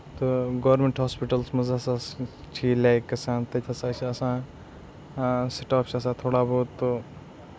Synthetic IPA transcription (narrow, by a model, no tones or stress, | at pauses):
t̪oɡoʋɾmeɳʈɦaːspiʈəlsmɐzasaː | t͡ʃʰilajkːɐsãːt̪ɐt̪ʲʰɐsãːt͡ʃʰiɐsãː | siʈaːpt͡ʃʰɐsãːt̪ʰoːɽaboːt̪ːo